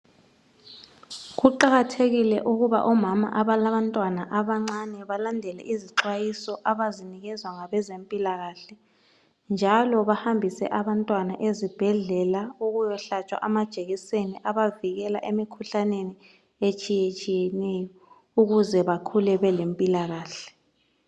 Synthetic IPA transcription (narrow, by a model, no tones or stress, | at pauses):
ɣuǃaɣatʰeɣilɛʔuɣuβa̰ʔɔmama̰ʔaβalaβantʼwanaʔaβaŋ͡ǁanɛβalandʱɛlɛ̰ʔiziǁwajisɔʔaβaziniɣɛzwaŋaβɛzempʼilaɣaːɬɛ | nd͡ʒʱalɔβahambʱisɛ̰ʔaβantʼwanaʔezib̥ʱɛɮɛlauɣujɔɬat͡ʃʼwa̰ʔamad̥ʒ̥ʱeɣiseniʔaβaviɣɛla̰ʔemikʰuɬaneni | et͡ʃʼijet͡ʃʼijɛnɛjɔ | uɣuzɛβakʰulɛβɛlempʼilaɣaːɬɛ̥